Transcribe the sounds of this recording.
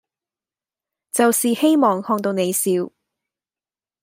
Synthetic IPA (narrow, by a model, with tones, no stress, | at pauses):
t͡sɐ˨wsiː˨he˥jmɔː˨˩ŋhɔː˧ŋt̪̬o˧wne˨˧jsiː˨˧w